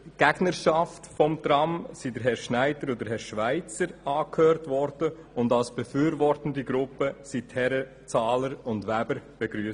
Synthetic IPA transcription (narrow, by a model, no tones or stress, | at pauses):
ɡ̥æɡ̥nəɾʃɑftfɔmtɾɑmsidəɾɦɛɾʃnæɪdəɾɔdəɾɦɛɾʃʋaɪt͡səɾɑːkhøːɾtʋɔɾd̥ə | ʊndalsb̥ɛfyːɾvɔrtəndiɡɾʊpːəsitʰhɛɾə | t͡sɑːləɾʊndʋæbəɾb̥eɡɾyː